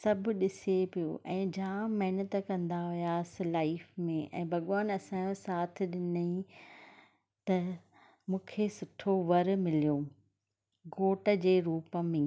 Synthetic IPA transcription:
sɐbʱʊ̆ɗɪsepijo̰ʔɛ̃ːd͡ʑãːmɐɦɪnət̪əkɐ̃nd̪aɦʊjaːsɪ̆laːɪfmẽʔɛ̰̃ːbʱɐɠaːnɐsãːõsaːt̪ʰɪ̆ɗɪnəĩ | t̪ɐ | mũːkʰesʊʈʰoʋɐɾmɪlijo | ɡoːʈə̆d͡ʑeːɾuːpə̆mẽː

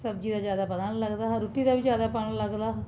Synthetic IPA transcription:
səb̚d͡ʒiːd̪aːd͡ʒjaːd̪aːpəd̪aːɳləɡd̪aːɾʊʈːiːd̪aːʋid͡ʒjaːd̪aːpaɳɽləɡd̪aː

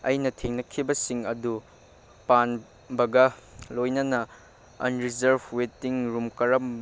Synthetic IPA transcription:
ɐ̰jnɐtʰeŋnɐkʰːibɐsiŋɐdu | pan | bɐɡɐlojnɐnɐ | ɐ̰nɾizɐɾbwetiŋɾumkɐɾɐm

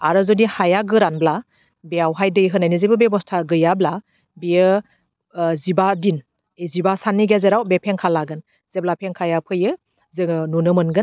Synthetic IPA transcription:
a̰ɾɯzɔnihajaɡɯɾanbla | beawɦajdɯjɦɯnajnizebɯbebɔstʰaɡɯjabla | biə | zibadin | ezibasaniɡezeɾawbepʰeŋkʰalaɡɯn | z̥eblapʰeŋkʰajapʰɯjɯ | zɯŋnunɯmɯnɡɯn

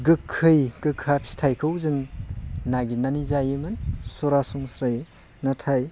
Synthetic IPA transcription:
ɡɯkʰːɯjɡ̥ɯkʰːapʰsi̥tʰajkʰɯwzɯŋnaɡinanizajɯmɯnsoɾasuŋsɾaj | natʰaj

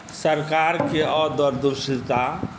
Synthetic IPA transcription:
səɾkaːɾkeɔːɾd̪ɔɾd̪ʊɾʃɪt̪a

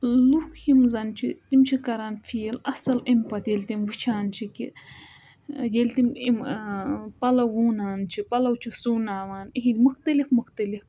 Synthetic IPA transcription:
lukhimzɐnt͡ʃʰit̪imt͡ʃʰikɐɾanfʰiːlɐsɐlimpɐt̪jelʲt̪imʋɨt͡ʃʰaːnt͡ʃʰikḭ | jelʲt̪imim | pɐlɐwuːnaːnt͡ʃʰipɐlɐwt͡ʃʰisuːnaːʋaːniɦid̪ʲmuxt̪ɐlifmuxt̪ɐlif

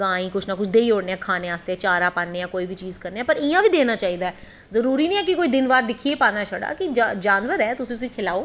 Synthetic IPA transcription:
ɡãːĩːkʊt͡ʃʰnãːkʊt͡ʃʰd̪eːiːoːɽneːɛːkʰaːnẽːaːst̪eɛːt͡ʃaːɾaːpaːnːeːãːkoːiːʋiːt͡ʃiːzkəɾneːɛ̃ːpəɾɪjãːʋiːd̪eːnaːt͡ʃaːiːd̪aːɛ | zəɾuːɾiːnĩːɛːkɪkoːiːd̪ɪnbaːɾd̪ɪkʰieːpaːnaːʃʰəɽa̰ːkɪd͡ʒad͡ʒaːnʋəɾɛːt̪ʊsĩʊsĩːkʰɪlaːoː

